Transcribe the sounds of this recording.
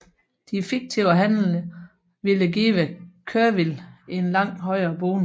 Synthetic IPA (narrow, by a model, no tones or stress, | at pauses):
d̥ifiɡ̥̚t͡sʰiʊɐɦæn̰l̩ə | ʋiləɡiːʋəkʰøɐʋile̝nlɑ̈ŋ̰ɦɒ̽ɪ̰ɐːb̥oːnə